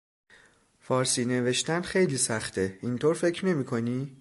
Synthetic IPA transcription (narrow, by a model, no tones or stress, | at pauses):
fɒːɾsiːne̞ve̞ʃt̪ænd̪xe̞jliːsæχt̪ʰeint̪ʰoːɾfe̞cʰɾne̞miːkʰo̞niː